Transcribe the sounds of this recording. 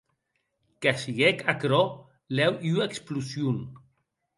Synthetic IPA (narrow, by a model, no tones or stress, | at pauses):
kasiɣɛkakɾɔ | lɛwʔueksplusjun